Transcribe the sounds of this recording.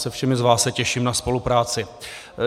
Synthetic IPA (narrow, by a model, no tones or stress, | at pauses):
sɛfʃɛmɪzvaːssɛcɛʃiːmnaspo̞lupɾaːt͡sɪ